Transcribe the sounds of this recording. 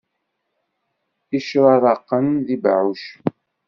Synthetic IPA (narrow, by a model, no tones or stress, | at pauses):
iʃɾɑðˤɑqːənðibʕuʃ